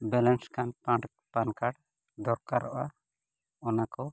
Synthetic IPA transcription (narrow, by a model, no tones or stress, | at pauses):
bɛlɛnskanpãʈ | pankaɽ | d̪ɔɾkaɾɔʔa | ɔnakɔ